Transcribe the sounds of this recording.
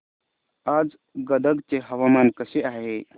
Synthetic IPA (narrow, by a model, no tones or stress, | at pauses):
ad͡ʒ | ɡəd̪əɡt͡ʃeɦɐwamaːnkəseʔaːɦe